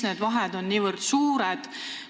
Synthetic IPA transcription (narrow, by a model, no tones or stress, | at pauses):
neːd̪̥vɑɦɛd̪o̞nːiːvɨrd̪̥suːɾed̪̥